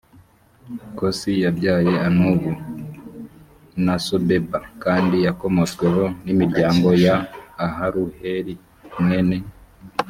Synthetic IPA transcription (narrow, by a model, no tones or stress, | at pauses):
kosijabɟaːje̞anuβu | nasobe̞bakaːndijako̞mo̞t͡swe̞ɦo̞nimiɾɟaːŋɡo̞jaːɦaɾuheɾi | mŋe̞ne̞